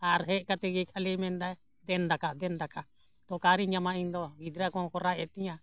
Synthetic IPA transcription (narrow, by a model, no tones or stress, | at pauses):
aɾɦɛʔkat̪ɛɡɛkʰalimɛ̃nd̪aɛ | d̪ɛnd̪akaʔd̪ɛnd̪akaʔ | t̪ɔkaɾiɲamãind̪ɔɡid̪ɾakɔ̃kɔɾaɛt̪iɲã